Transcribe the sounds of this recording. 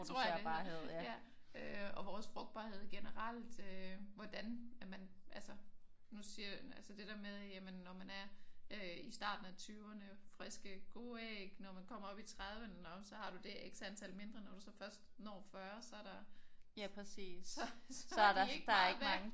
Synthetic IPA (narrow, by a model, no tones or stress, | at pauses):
od̥ʰo̰ɐɐbɑheð̰ˠjæøɒʋɒːsfʁɔ̽ɡ̥̚d̥b̥ɑ̰̈ːhe̝ð̰ˠɡ̥enəʁɑl̰d̥øʋɒd̥ænæmænʔælsə | nusiɐælsəd̥e̝ɾ̥æɐmeðˠjæmənːɒmænæɐøisd̥ɑ̰̈ːd̥n̩æt͡sʰyʊɐnəfʁɛsɡ̥əɡ̥o̝ːeɡ̥nɒmænkʰɒ̽m̰ɐɒ̽b̥it͡sʰʁaðˠʋənnɒ̽msɒ̽hɑ̈ɾ̥ud̥e̝ʔeɡ̥sænt͡sʰælme̝nd̥ʁɐnɒd̥usɒ̽fɶɐsd̥nɒ̰ːfɶɐsɒ̽æɐɾ̥ɑjæpʰɛsḭːɒ̽sdeɡ̥deɡ̥ʋæŋ